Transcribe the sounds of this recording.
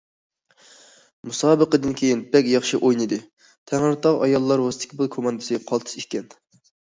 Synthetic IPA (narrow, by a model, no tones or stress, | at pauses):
musɑːbəqəd̪ɨnkʲʰejinbɛkʲjɑχʃiʔojnɨd̪ɨ | t̪ʰæŋɨɾt̪ʰɑʁɑjɑlˠːɑɾwɑst̪i̥kʲʰibɨlˠkʰomɑnd̪ɨ̥sɨqʰɑlˠt̪ʰɨ̥sikʲɛn